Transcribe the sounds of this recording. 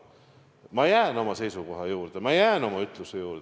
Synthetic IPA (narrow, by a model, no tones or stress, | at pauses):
mɑejæːno̞mɑse̞jsuko̞ɦɑjuːɾd̪̥emɑejæːno̞mɑyt̪ˑlusejuːɾd̪